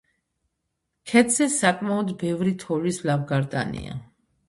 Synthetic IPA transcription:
kʰɛt̪zɛsakʼmaɔd̪bɛvɾit̪ʰɔlislavɡaɾt̪ʼa̰nḭa̰

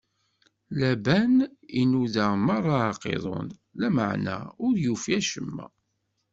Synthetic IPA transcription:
læbæninuðæmɑrˤːɑɑqḛðˤo̰n | læmaʕnæ̰ʊɾjufiæʃəmːæ̰

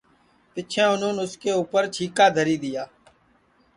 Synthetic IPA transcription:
pɪt͡ʃʰɛ̃ːʊnũːnʊskeːuːpəɾt͡ʃʰiːkaːd̪ʱəɾiːd̪ɪjaː

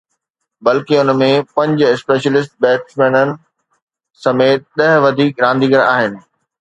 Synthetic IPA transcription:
bɐlkɪʊnmẽpɐ̃ɲd͡ʑɪspeːʃəlɪs̬ʈ̚bɛːʈsmɛ̃ːnənɪ̆ | sɐmeːt̪̚ɗɐɦʋɐd̪ʱiːkɾãːnd̪ʱiːɡəɾaːɦɪnɪ̆

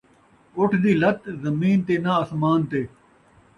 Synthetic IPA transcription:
oʈʰd̪iːlɐt̪zɐmiːnt̪eːnaːsmaːnt̪eː

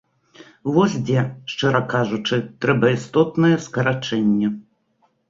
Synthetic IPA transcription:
vɔsʲd͡zʲɛʂt͡ʂɛɾɐkaʐut͡ʂɨt̪ɾɛbɐist̪ɔt̪nɐjɛskɐɾat͡ʂɛnʲːɐ

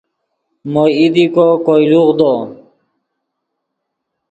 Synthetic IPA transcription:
moid̪ikokojluʁd̪o

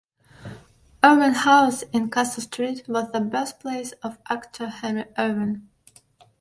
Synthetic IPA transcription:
ɜ˞bə̃nhaʊsɪ̃nkʰæsl̩ˠstʰɹ̥it̚wʌzðəbɜ˞st̚pʰl̥eɪsʌvʔæktʰə˞hɛ̃nɹiʔɜ˞bə̃n

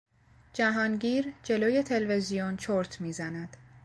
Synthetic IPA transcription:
d͡ʒæɦɒːnɟiːɾd͡ʒe̞loːje̞t̪ʰe̞lve̞zijont͡ʃʰoɾt̪ʰmiːzænæd̪̥

